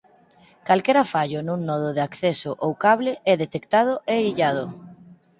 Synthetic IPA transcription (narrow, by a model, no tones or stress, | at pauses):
kalkɛɾafaʎʊnũŋnɔð̞ʊðɪakθɛsʊʔowkaβlɪɛðet̪ekt̪að̞ʊʔeiʎað̞ʊ